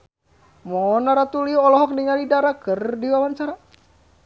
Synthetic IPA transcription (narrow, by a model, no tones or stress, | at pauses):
mɔnaɾat̪uliuɔlɔɦɔk̚niŋalidaɾakərdiwawant͡ʃaɾa